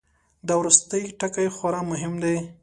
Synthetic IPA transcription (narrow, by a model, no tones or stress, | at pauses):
d̪awɾust̪əjʈakajxaɾɑmʊɦɪmd̪aj